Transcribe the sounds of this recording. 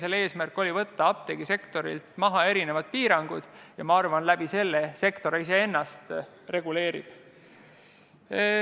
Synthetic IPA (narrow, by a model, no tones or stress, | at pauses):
sele̞ːsmærkːˑo̞lʲivɤt̪ːɑɑp̚t̪eɡ̥ise̞kt̪o̞ɾḭlt̪mɑɦɑe̞ɾine̞vɑd̪̥̚piːɾɑŋɡ̥ud̪̥jɑmɑɑrvɑnlæb̥ise̞lːese̞kt̪o̞ɾɑis̬e̞e̞nːɑst̪ | re̞ɡ̥ule̞ːɾḭb̥